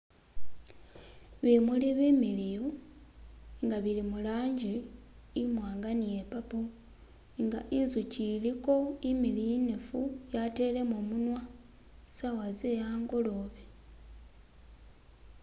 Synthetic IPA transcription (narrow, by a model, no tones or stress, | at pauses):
βimuliβimiliju | ŋɡaβilimulaːɲɟe | imwaːŋɡanije̞papu | ŋɡaʔinzuciliko̞imilijine̞fujate̞ːle̞moːmunwa | sawazejaːŋɡo̞lo̞βe